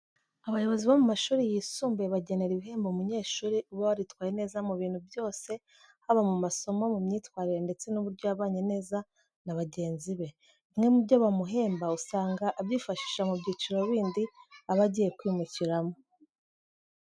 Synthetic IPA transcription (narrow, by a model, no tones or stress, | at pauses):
aβajo̞βo̞ziβomumaʃuːɾijisuːmbe̞βaɟe̞ne̞ɾiβiɦe̞ːmboumuɲe̞ːʃuːɾiuβaβaɾitwaːjene̞ːzamuβiːn̥huvjo̞ːse̞ | haβamumaso̞mo̞mumɲiːtwaːɾiɾe̞nde̞t͡se̞nuβuɾɟo̞aβaːɲene̞ːza | naβaɟe̞ːnziβe̞ | mŋe̞mubɟoβamuɦe̞ːmbausaːŋɡaʔːbjiːfaʃi̥ːʃamubɟiːt͡ʃiɾo̞βiːndiaβaɟiːje̞kwiːmuciɾamo